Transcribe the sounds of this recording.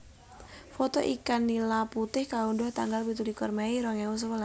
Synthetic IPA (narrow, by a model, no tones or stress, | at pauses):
fɔt̪ɔʔikanːilaput̪ɪhkaundɔht̪aŋɡalbit̪ulikɔrmaiɾɔŋɛus̬əwəla